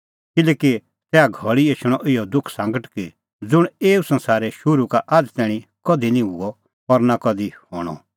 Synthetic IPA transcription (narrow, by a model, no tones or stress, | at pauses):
kɪlɛːki | tɛːaɡʱɔɭieːʃʊɽ̃ɔʔɪjɔd̪ʊkʰsãːŋɡəʈki | d͡zʊɽ̃eːusɐ̃nsaːɾɛʃʊɾukaʔad͡zt̪ɛːɽ̃ĩkɔd̪ʱinĩɦuɔ | pɐɾnakɔd̪iho̰ːɽ̃ɔ̰